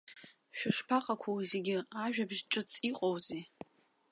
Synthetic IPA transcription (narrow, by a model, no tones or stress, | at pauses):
ʃᶣaʂpʰaqʼakʷʰowizeɡʲɪaʒᶣabʒʈ͡ʂʼɨt͡sʰʼiqʼowze